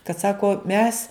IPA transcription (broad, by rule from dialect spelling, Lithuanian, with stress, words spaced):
kɐt ˈsɑːkoː mʲɛs